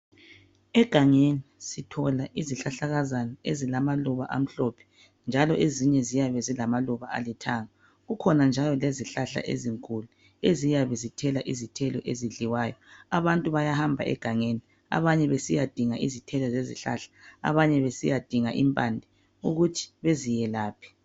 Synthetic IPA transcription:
ɛɡ̥ʱaŋenisitʰɔlaʔiziɬaɬaɣazanɔezilamaluβaʔa̰m̩ɬɔpʰɛ̥ | nd͡ʒʱalɔʔeziɲɛzijaβɛzilamaluβaa̰litʰaːŋa | ɣukʰɔnand͡ʒʱalɔleziɬaɬa̰ʔḛziŋkʼulu | ezijaβɛzitʰɛlaʔizitʰɛlɔʔeziɮiwaːjɔaβantʼuβajahambʱa̰ʔɛ̰ɡ̥ʱaŋeni | a̰βaɲɛβesijad̥ʱiŋaʔizitʰɛlɔzezḭɬa̰ɬḁ̰ːβaɲɛβesijad̥ʱiŋaʔimpʼandʱi | uɣutʰi̥βezijɛlaːpʰi̥

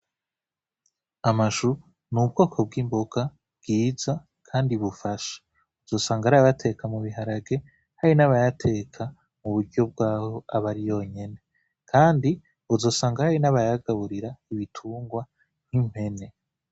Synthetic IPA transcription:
amaʃu | nubɡo̞ːkʰo̞b̚ɡiːmboɡ̥a | bɡ̥iːz̥a | kʰaːndiβufaʃḁ | uzo̞ːsaːŋɡaɾaβatʰe̞kʰamuβiɦaɾaɡe̞ | haɾinaβajatʰe̞kʰa | muβuɾɟo̞b̚ɡaːho̞aβaɾijo̞ɲe̞ne̞ | kʰaːndi | uzo̞ːsaːŋɡahaɾinaβajaɡaβuɾiɾaiβitʰuːŋɡwa | n̥him̥he̞ne̞

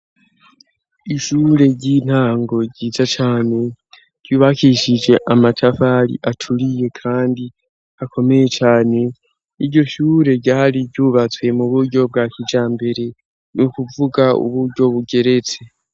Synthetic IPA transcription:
iʃuːɾe̞ɟin̥haːŋɡo̞ɟiːzat͡ʃaːne̞ | ɟ̥juːβakiʃid͡ʒe̞ʔamatʰafaɾḭʔatʰuɾije̞kʰaːndi | akʰo̞me̞je̞t͡ʃaːne̞ | iɾɟo̞ʃuːɾe̞ɟaːɾiɟuːβat͡swe̞muβuɾɟo̞b̚ɡaːkid͡ʒaːmbe̞ɾe̞ | nukuvuɡaṵβuɾɟo̞βuɡe̞ɾe̞t͡se̞

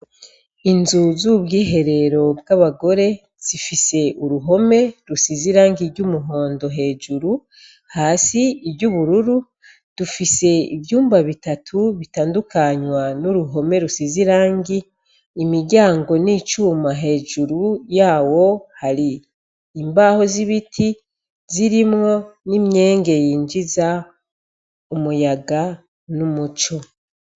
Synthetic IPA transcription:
inzuzubɡiːɦe̞ɾe̞ɾo̞bɡaβaɡo̞ɾe̞ | z̥ifise̞ʔuɾuɦo̞me̞ɾusiziɾaːŋɡiɾɟumuɦo̞ːndo̞ɦe̞ːʒuɾu | haːsiːbɟuβuɾuɾu | d̥ufise̞ḭbjuːmbaβitatʰuβitaːndukaɲwanuɾuɦo̞me̞ɾusiziɾaːŋɡiː | miɟaːŋɡo̞niːt͡ʃuːmaɦe̞ːʒuɾujaːwo̞haɾiː | mbaːho̞ziβitʰi | ziɾimŋo̞nimɲe̞ːŋɡe̞jiːɲd͡ʒiza | umujaɡa | numut͡ʃo̞

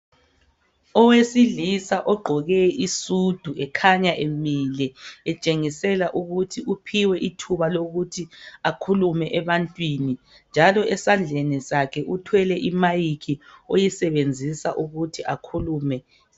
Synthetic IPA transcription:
ɔwesilisaʔɔɡ͡ǃʱɔɣɛʔisud̥ʱuɛkʰaɲaʔemilɛɛt͡ʃʼeŋisɛlaʔuɣutʰiʔupʰiwɛʔitʰuβaloɣutʰiakʰulumɛʔɛβantʼwiːni | nd͡ʒʱalɔʔɛsand͡ɮʱenisakʰɛʔutʰwɛlɛʔimajikʰiojisɛβend͡zʱisa̰ʔuɣutʰiʔakʰuluːmɛ

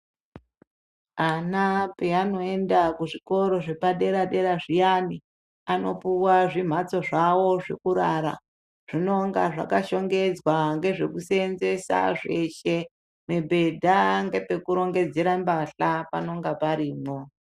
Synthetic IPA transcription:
anapeano̞e̞ndakuʐiko̞ɾo̞ʐe̞paɗe̞ɾaɗe̞ɾaʐijani | ano̞puwaʐim̤at͡so̞ʐawo̞ʐe̞̰kuɾaɾa̰ | ʐ̥ino̞ŋɡaʐa̰kaʃo̞ŋɡe̞d͡zwaŋɡe̞ʐe̞kusenze̞sa̰ʐe̞ʃe | mebʱe̞dʱaŋɡe̞pe̞kuɾo̞ŋɡe̞d͡ze̞ɾambaɬapa̰no̞ŋɡapaɾiːmo

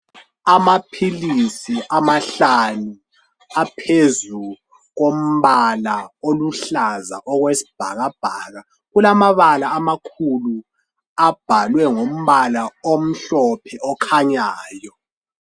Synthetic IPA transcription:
amapʰilisiʔamaɬanu | apʰezu | ɣom̩βalaoluɬaza̰ʔɔɣwesi̥b̥ʱa̰ɣab̥ʱaːɣa | ɣulamaβalaːmakʰulu | ab̥ʱalwɛŋom̩βalaom̩ɬɔpʰɛʔɔkʰaɲaːjɔ

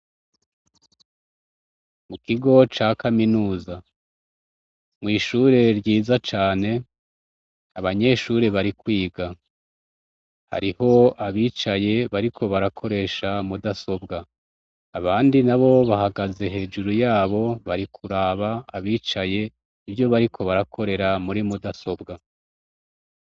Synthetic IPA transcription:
mukiɡo̞t͡ʃaːkaminuːza | mŋiːʃuːɾe̞ɾɟiːzat͡ʃaːne̞ | aβaɲe̞ʃuːɾe̞βaɾikwiːɡa | ha̰ɾiho̞aβiːt͡ʃaje̞βaɾikʰo̞βaɾakʰo̞ɾe̞ːʃamudaso̞bɡaː | βaːndinaβo̞βahaɡaze̞ɦe̞ːd͡ʒuɾujaːβo̞βaɾikʰuɾaːβaːβiːt͡ʃaje̞ | ivjo̞βaɾikʰo̞βaɾakʰo̞ɾe̞ɾamuɾimudaso̞bɡa

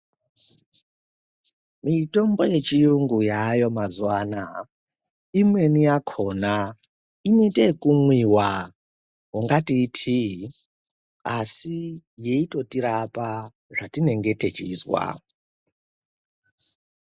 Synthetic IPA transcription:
mito̞mbo̞je̞t͡ʃijuŋɡujajo̞mazwaːna | imwe̞nijakʰo̞ːna | inetekumwiwa | ɦuŋɡatitʰi | asije̞ito̞tiɾapa | ʐatine̞ŋɡe̞te̞t͡ʃiːzwa̰

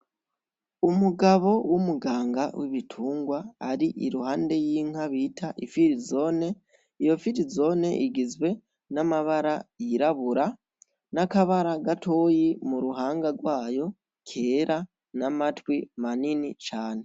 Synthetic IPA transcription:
umuɡaβo̞wumuɡaːŋɡawiβitʰuːŋɡwaːɾiʔḭɾuhaːnde̞jiːŋ̥haβitʰaʔifiɾizo̞ːne | ijo̞fiɾizo̞ːne̞̰ʔiɡizwe̞ | namaβaɾajiɾaβuɾa | nakaβaɾaɡatʰoːjimuɾuɦaːŋɡaɡwaːjo̞ | kʰeːɾa | namatwimaninit͡ʃaːne̞

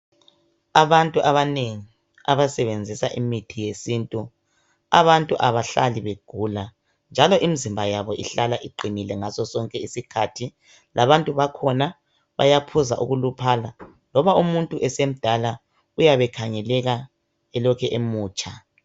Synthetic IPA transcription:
aβantʼuʔaβaneŋi | aβasɛβend͡zʱisaʔimitʰijesintʼu | a̰βantʼuʔaβaɬaliβeɡ̥ʱuːla | nd͡ʒʱalɔʔimizimbʱajaβɔʔḭɬalaʔiǃinilɛŋasɔsɔŋkʼɛisikʰatʰi | lʔaβantʼuβakʰɔna | βa̰japʰuzaʔuɣulupʰaːla | lɔβaumuntʼuʔɛsem̩d̥ʱala | ujaβɛkʰaŋɛlɛɣa | ɛlɔkʰɛʔemuːt͡ʃʼa

